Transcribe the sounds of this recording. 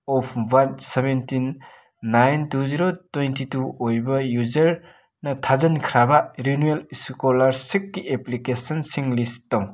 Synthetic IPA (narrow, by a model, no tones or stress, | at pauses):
ɔpʰbaɾd̚sebentinː | ajntuziɾotejntituojbɐjuzɐɾ | nɐtʰazɐnkʰɾabɐɾinuelskolaɾsikːieplikesɐnsiŋlistaw